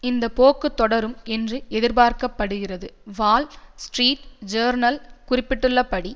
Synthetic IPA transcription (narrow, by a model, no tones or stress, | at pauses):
ɪnd̪ɐpoːkːɯt̪ːɔɽɐɾɯmɛndrɯɛðɪɾbaːɾkɐpːɐɽɯɣɪrɐðɯʋaːlsʈriːʈd͡ʒɐːɾnɐlkʊrɪpːɪʈːɯɭːɐpːɐɽi